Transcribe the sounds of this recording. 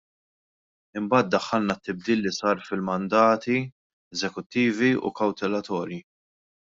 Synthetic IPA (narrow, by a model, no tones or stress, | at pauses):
ɪmbɐːt̪̚d̪ɐħːɐlnɐt̪ːɪb̚d̪iːlːisɐːɾfɪlmɐnd̪ɐːt̪i | ɛzɛkʊt̪ːiːviṵkɐwt̪ɛlɐt̪ɔːɾji